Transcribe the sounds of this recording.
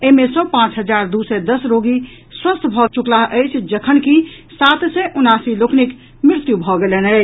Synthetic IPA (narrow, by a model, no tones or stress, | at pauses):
eɦmesɔ̃pãt͡ʃɦəd͡ʒaɾd̪usɛd̪əsɾoɡi | swəst̪ʰbʱɔt͡ʃuklaɦʔəjt͡ʃʰd͡ʒəkʰənki | sat̪sɛʔunasiloknik | mɾɪɾt̪jubʱɔɡelenə